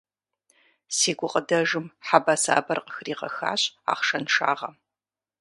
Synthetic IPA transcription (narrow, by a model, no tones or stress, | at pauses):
siːɡʷʊqʼədɐʒɨmħabɐsa̰ːbɐrqəxriːʁɐxa̰ːɕʼa̰ːχʂɐnʂa̰ːʁɐ